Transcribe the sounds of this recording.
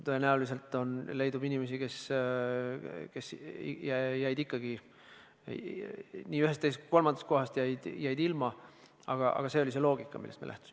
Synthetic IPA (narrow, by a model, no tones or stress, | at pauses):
t̪oenæulis̬e̞lt̪ːˑo̞nle̞jd̪ubinʲimesike̞s | ke̞sjæjæjd̪ikˑːɑɡ̥i | nʲiːyɦest̪ːest̪kko̞lmɑnd̪̥ɑst̪̚ko̞ɦɑst̪jæjd̪̥jæjd̪̥ilmɑ | ɑ̰ɡ̥ɑʔɑ̰ɡ̥ɑse̞o̞lis̬e̞lo̞ːɡ̥ikːˑɑ̰milːest̪mḛlæht̪u̥simm